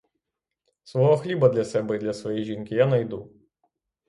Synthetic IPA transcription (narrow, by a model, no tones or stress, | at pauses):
sʋɔɦɔxlʲibɐd̪lʲɐsɛbɛid̪lʲɐsʋɔjɛjʒinkɪjanɐjd̪u